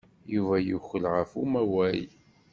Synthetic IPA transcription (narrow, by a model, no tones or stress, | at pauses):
juvæjuçəlʁəfumæwæj